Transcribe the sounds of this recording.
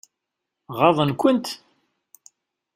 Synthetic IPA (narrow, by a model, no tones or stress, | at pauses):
ʁɑðˤənkʷənt̪